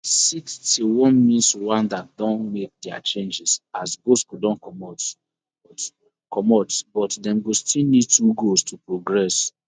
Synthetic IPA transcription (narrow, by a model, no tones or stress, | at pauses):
sikstiwɔ̃nmĩnswãndat̚dɔ̃nmek̚dɛa̰t͡ʃẽnd͡ʒɛsasɡoskudɔ̃nkɔmɔt | kɔmɔtbɔtdɛ̃mɡostilnid̚tuɡostʰupɹoɡɹɛs